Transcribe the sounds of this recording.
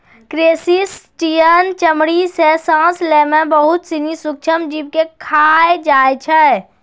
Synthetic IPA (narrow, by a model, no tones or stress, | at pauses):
kɾeːsisʈijənt͡ʃəmɽisesãːsleːmẽbəɦʊt̪sinisʊk̚t͡ʃʰəmd͡ʒiːb̚kekʰaːed͡ʒaːet͡ʃʰɛ